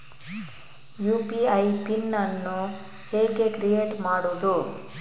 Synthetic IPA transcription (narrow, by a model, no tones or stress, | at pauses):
juːpiɐjpinːɐnːu | heːɡe̞kɾijeːʈmaːɽuːd̪u